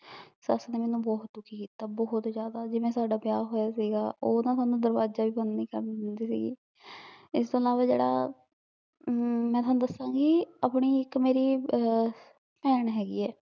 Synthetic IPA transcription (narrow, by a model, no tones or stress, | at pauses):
səsneːmɛːnũːbɔːt̪̚d̪ʊkʰːiːkiːt̪aːbɔːʊt̪d͡ʒjaːd̪aːd͡ʒɪʋẽːsaːɖaːpɪjaːɦoːjaːsiːɡaːoːnãːt̪ʊaːnũːd̪əɾbaːd͡ʒaːʋiːbənniːkəɾnd̪iːsḭːɡḭː | ɪst̪õːəlaːʋaːd͡ʒḛːɽa̰ː | mɛ̃ːt̪owanũːd̪əsãːɡiːapɳiːɪkmeːɾiː | pɛːɳɦɛːɡḭːɛː